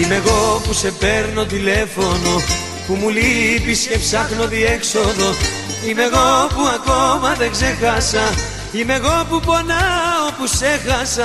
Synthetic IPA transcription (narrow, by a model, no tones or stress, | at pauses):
ime̞ɣo̞puse̞pe̞ɾno̞t̪̬ile̞fo̞no̞ | pumulipisce̞fsɐxno̞ðie̞kso̞ðo̞ | ime̞ɣo̞puɐko̞mɐðe̞ɡze̞xɐsɐ | ime̞ɣo̞pupo̞nɐopusexɐsɐ